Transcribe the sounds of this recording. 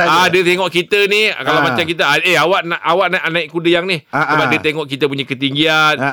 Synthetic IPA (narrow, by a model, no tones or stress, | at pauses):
adiət̪eŋɔʔkit̪ənikalawmat͡ʃamkit̪əaeawaʔnaʔawaʔnaʔnãiʔkudəjaŋnihsəbap̚diət̪eŋɔʔkit̪əp̬uɲakət̪iŋɡian